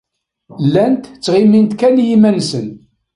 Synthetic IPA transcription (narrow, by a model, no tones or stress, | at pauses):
lːænt̪t͡sːʁimint̪kænjimænsən